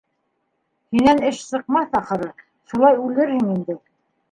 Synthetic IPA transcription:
hinænɘʃsɤ̆q̚mɑθɑχɤ̆ɾɤ | ʃulˠɑjʉlɘɾhɘŋind̪ɘ

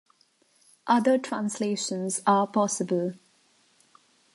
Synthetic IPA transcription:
ʔʌd̪əʈʰɹãnsleːʃə̃nzaːpɔsɪbəl

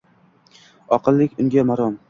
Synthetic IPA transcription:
ɒqɨlˠːɪkʲʊŋɡʲamaɾɒm

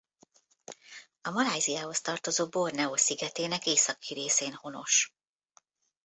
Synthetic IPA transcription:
ɒmɒlaːjzijaːho̞st̪ɒrt̪o̞zoːbo̞rnɛoːsiɡɛt̪eːnɛkeːsɒkʰiɾeːseːnho̞no̞̰ʃ

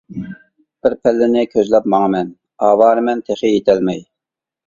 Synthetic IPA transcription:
b̥ɪɾpʰɛlːɪnɪkʲʰøzlɛpmɑŋəmɛn | ɑːwɑːɾmɛnt̪ʰeχijet̪ʰɛlmɛj

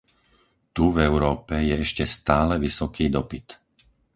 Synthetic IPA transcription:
t̪uvɛʊɾɔːpɛjɛɛʃcɛst̪aːlɛʋisɔkiːd̪ɔpit̪

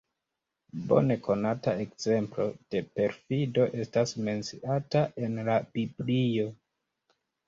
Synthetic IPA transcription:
bo̞̰ne̞kʰo̞natae̞kz̥e̞mplo̞̰d̥e̞pe̞ɾfido̞ʔe̞stasme̞nt͡siʔataʔe̞nlab̥iblio̞

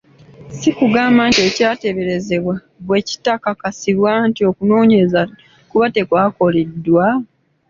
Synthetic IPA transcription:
sikuɡaːmbaːntie̞ːcaːte̞βe̞ɾe̞ze̞βwa | βwe̞ci̥takakasiβwantio̞kuno̞ːɲe̞za | kuβate̞kwaːko̞ledːwa

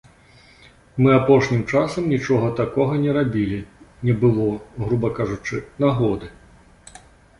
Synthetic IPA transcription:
mɨapɔʂnʲimt͡ʂasɐmnʲit͡ʂɔɣɐt̪akɔɣɐnʲɛɾabʲilʲinʲɛbɨlˠɔɣɾubɐkaʐut͡ʂɨnaɣɔd̪ɨ

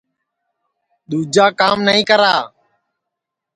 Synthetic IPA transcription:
ɗ̪uːd͡ʒaːkaːmnəɦĩːkəɾaː

